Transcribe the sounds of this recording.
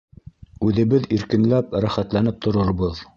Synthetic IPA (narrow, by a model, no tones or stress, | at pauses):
ʉðɘ̆βɘðiɾkɘ̆nlæpɾæχæt̪lænɘp̚t̪ʰŏɾoɾβoð